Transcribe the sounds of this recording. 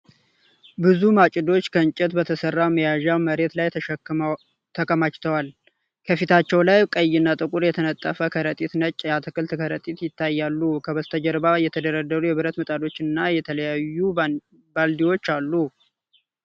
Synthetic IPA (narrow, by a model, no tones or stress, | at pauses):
bɨzumat͡ʃʼɪd̪o̞t͡ʃːkʰənt͡ʃʼɪt̪bət̪ʰəsərːaməjaʒawməɾe̞t̪laj | t̪ʰəkʼəmat͡ʃt̪ʰəwal | kʰəfit̪ʰat͡ʃːɛwlajkʼəjːɪnːat̪ʼɨkʼuɾjɛt̪ʰənət̪ʼːəfəkʰəɾət̪ʼit̪nət͡ʃʼːjat̪ʰɨkɨlt̪kʰəɾət̪ʼit̪jɪt̪ʰːajːalːukʰəβəzt̪ʰəd͡ʒəɾbajɛt̪ʰəd̪əɾəd̪ːəɾujɛβɨɾət̪mɨt̪ʼad̪o̞t͡ʃːɨnːajɛt̪ʰələjajːu | bald̪iwo̞t͡ʃːalːu